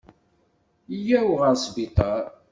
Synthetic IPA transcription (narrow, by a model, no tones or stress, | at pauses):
jæwʁəɾsbit̪ˤɑɾ